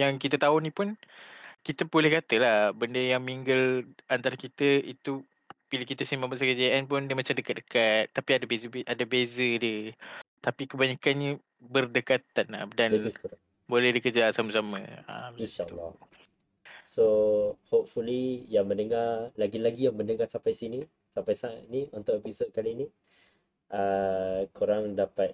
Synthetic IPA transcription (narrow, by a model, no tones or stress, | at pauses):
jaŋkit̪ət̪aʊnĩpʊnkit̪əpolɛhkat̪əlahbəndəjaŋmiŋɡəlant̪aɾakit̪əit̪u | b̥iləkit̪əsimabas̬akəd͡ʒaʔanp̬ʊndəmat͡ʃamdəkat̪̚dəkat̪ːapiadabezəbʔadabezədiət̪apikəbaɲakanɲə | bərdəkat̪ana̰danləbɪhkəɾa | bolɛhdikərd͡ʒasamasamã̰a̰inʃaə̰lːɔ̰ | sohop̚fulijaŋmənəŋarlaɡilaɡijaŋmənəŋasapajsini | sampajsaaniunt̪ʊʔepisod̚kalini | ʔəkuɾaŋdapat̪̚